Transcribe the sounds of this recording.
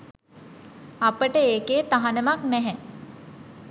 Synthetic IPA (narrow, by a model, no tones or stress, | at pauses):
apəʈəeːkeːt̪aɦanəmaknɛɦɛ